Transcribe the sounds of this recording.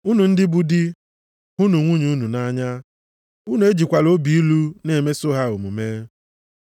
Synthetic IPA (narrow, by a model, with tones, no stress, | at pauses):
u˦nu˨n̩˦dɪ˦bu˦dɪ˦ | ɦu˦nu˨ŋʷu˦ɲu˦nu˨na˦ɲa˦ | u˦nu˨e˦d͡ʒi˨kʷa˨lo˦bi˨i˦lu˦ne˨me˦so˦ɦa˦o˨mu˨meː˦